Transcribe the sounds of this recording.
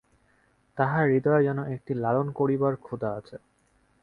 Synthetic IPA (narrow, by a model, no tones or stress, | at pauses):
t̪aɦaɾid̪ɔed͡ʑɛnoʔek̚ʈilalonkoɾibaɾkʰud̪aat͡ɕʰe